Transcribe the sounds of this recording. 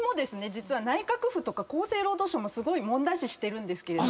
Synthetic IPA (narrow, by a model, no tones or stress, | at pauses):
mo̞d̪e̞sɨne̞d͡ʑit͡sɨβanaikakɯ̟ɸɯ̟t̪o̞kako̞ːse̞ːɾo̞ːd̪o̞ːɕo̞mo̞sɨɡo̞imõ̞nd̪aɕiɕi̥t̪e̞ɾɯ̟̃nd̪e̞sɨ̥ke̞ɾe̞do